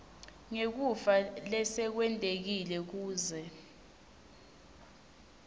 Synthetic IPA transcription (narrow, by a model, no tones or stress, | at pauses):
ŋek̬ufalɛsɛk̬wɛntʼek̬ilɛk̬uːzɛ